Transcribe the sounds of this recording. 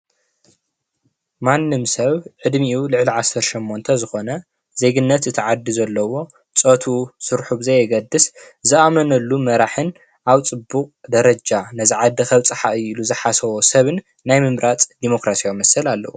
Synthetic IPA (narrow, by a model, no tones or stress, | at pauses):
manːɨmsɐβʕɨd̪miʔulɨʕliʕasɐɾʃomːo̞nt̪ʰɐzɨxo̞nɐ | ze̞ɡɨnːɐt̪ɨt̪ʰiʕad̪ːizɐlːɐwo̞ | t͡sʼɐt̪ʰusɨɾħuβzɐjɛɡɐd̪ɨszɨʔamɐnɐlːumɐɾaħɨn | ʔaβt͡sʼɨbːuqʼd̪ɐɾɐd͡ʒanɐziʕad̪ːixɐβt͡sʼɨħaʔɨiluzɨħasɐwosɐβɨnː | ajmɨmɾʔat͡sʼd̪imo̞kɾasijawmɐsɐlalːɐ̰wu